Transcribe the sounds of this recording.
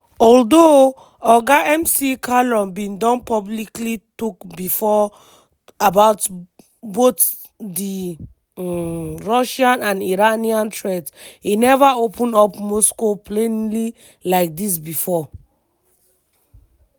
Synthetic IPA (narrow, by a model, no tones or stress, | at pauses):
ɔldo | ɔɡaɛ̃msikʰalɔ̃mbĩndɔ̃npɔbliklitukbifɔ | abaʊt | bot | di | ɹɔʃãnãniɹaniãntʰɹɛdshinɛvaopʰə̃nɔpmɔskopʰlẽnli | laɪk̚d̪is̬bifɔ